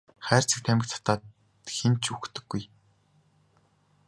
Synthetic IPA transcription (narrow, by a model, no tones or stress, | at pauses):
χæːr̥t͡sɘ̆k̚t̪ʰæmʲɪkt̪ʰt̪aː | xent͡ɕuxt̪ɵ̆ɡːuj